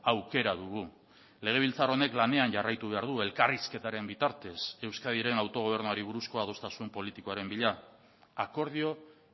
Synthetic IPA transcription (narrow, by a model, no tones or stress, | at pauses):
awke̞ɾaðuɣ̞u | le̞ɣ̞e̞β̞ilt͡saro̞ne̞klane̞anʝarajt̪uβ̞e̞aɾðue̞lkariske̞t̪aɾe̞mbit̪aɾt̪e̞se̞wskaðiɾe̞nawt̪o̞ɣ̞o̞β̞e̞ɾnuaɾiβ̞uɾusko̞aðo̞st̪asumpo̞lit̪iko̞aɾe̞mbiʎa | ako̞ɾð̞io̞